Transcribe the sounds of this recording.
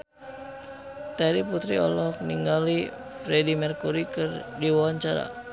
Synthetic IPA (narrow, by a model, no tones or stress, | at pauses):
t̪aɾiput̪ɾiɔ̰lɔɦɔk̚niŋɡali | fɾɛdimɛrkuɾikɨrdiwawaɲt͡ʃaɾa̰